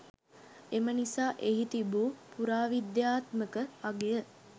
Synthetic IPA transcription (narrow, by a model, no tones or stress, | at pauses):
emənisaːʔeɦit̪ibupuɾaːʋid̪jaːt̪məkəaɡejə